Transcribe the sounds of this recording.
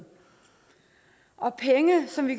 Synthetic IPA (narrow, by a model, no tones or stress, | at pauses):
ʔɒ̽pʰeŋəsɒ̽mʋikʰ